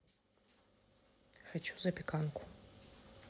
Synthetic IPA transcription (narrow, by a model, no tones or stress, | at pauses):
xat͡ʃʰuzɐpʰʲikʰankʷʰʼʊ